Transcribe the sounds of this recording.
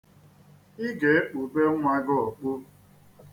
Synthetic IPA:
ɪ˦ɡe˨˦e˦k͡pu˨be˦ŋʷa˦ɡɔ˦o˨k͡pu˦

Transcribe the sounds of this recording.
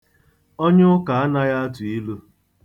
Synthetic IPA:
o˦ɲʊ˦ʊ˦ka˨a˦na˦ja˦a˦tʊ˨i˦lu˦

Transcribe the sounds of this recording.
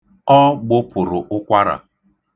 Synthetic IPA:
ɔ˦ɡ͡bʊ˦pʊ˨ɾʊ˨ʔʊ˦kʷa˦ɾa̰˨

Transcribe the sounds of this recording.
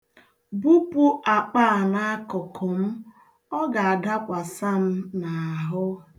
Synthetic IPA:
bu˦pu˦ʔa˨k͡pa˦a˨na˦a˦kɔ˨kʰɔ˨m̩˦ | ɔ˦ɡa˨a˨da˦kʷa˨sa˦m̩˦na˨a˨ɦʊ˦

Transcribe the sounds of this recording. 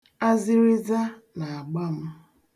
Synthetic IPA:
a˦zɪ˦ɾɪ˦za˦ | na˨a˨ɡ͡ba˦m̩˦

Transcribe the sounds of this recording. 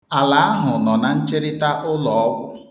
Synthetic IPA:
a˨la˨a˦ɦʊ˨nɔ˨na˨n̩˦t͡ʃe˦ɾɪ˦ta˦ʔʊ˦lɔ˨ɔ˦bʊ˦

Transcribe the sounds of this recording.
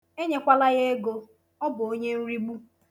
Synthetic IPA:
e˦ɲe˦kʷa˦la˦ɣe˦e˦ɡo˨ | ɔ˦bʊ˨o˦ɲe˦n̩˦ɾi˦ɡ͡bu˦

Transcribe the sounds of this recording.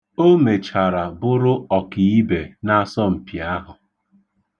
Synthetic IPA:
o˦me˨t͡ʃa˨ɾa˨bʊ˦ɾʊ˦ɔ˨ki˨i˦be˨na˦sɔ˦m̩˨pja˦ɦʊ˨

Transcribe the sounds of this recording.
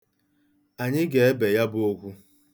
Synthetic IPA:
a˨ɲɪ˦ɡe˨e˦be˨ja˦bʊ˦o˦kʷu˦

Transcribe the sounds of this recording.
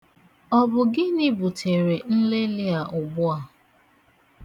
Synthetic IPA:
ɔ˨bʊ˨ɡɪ˦nɪ˦bu˨tʰe˨ɾe˨n̩˦le˦lɪ˦a˨ʔʊ˨bʊ˦a˨

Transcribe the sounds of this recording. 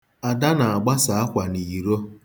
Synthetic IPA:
a˨da˦na˨a˨ɡ͡ba˦sa˨a˦kʷa˨ni˨i˨ɾo˦

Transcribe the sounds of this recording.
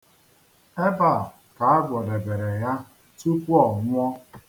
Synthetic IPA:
e˦ba˨ | ka˨a˦ɡʷɔ˨de˨be˨ɾe˨ja˦ | tu˦kʷu˦ɔ˨ŋʷʊ˦ɔ˦

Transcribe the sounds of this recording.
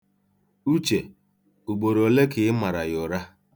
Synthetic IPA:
u˦t͡ʃe˨ | u˨ɡ͡bo˨ɾo˨le˦kɪ˨ɪ˦ma˨ɾa˨jʊ˨ɾa˦

